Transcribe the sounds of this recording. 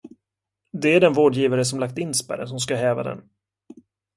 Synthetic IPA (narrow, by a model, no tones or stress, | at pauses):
d̪ɛæɖɛnvoːɖjiːvaɾəsɔmlak̚t̪ɪnːspæ̰ɾə̰nsɔmskaɦɛːva̰d̪ɛ̰n